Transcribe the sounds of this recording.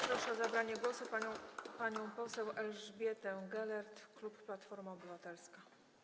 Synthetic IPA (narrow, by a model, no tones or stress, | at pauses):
pɾɔʂɛɔzabɾaɲɛɡwɔsuppaɲɔ̃w̃pɔsɛwɛlʐbʲjɛt̪ɛɡɛlɛɾt̪klupːlat̪fɔɾmaɔbɘvat̪ɛlska